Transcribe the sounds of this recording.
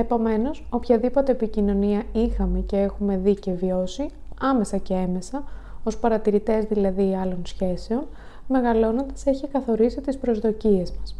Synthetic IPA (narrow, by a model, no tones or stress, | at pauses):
e̞po̞me̞no̞so̞pçɐðipo̞t̪e̞ːpicino̞niɐixɐme̞ce̞e̞xume̞ðice̞vio̞siɐme̞sɐce̞eme̞sɐo̞spɐɾɐt̪iɾit̪e̞zðilɐðiɐlo̞nsçe̞se̞o̞n | me̞ɣɐlo̞no̞nd̪ɐse̞çikɐθo̞ɾisit̪ispɾo̞zðo̞cie̞zmɐs